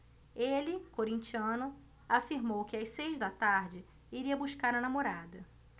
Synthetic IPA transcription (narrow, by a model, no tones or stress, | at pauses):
elɪkoɾĩnt͡ʃiɐ̃nʊ | afiɾmowkɪasejzd̪ɐt̪aɾd͡ʒɪ | iɾiɐbuʃkaɾɐnamoɾad̪ɐ